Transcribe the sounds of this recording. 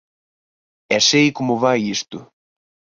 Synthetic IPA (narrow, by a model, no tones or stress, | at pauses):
ɛsejkomʊβajist̪ʊ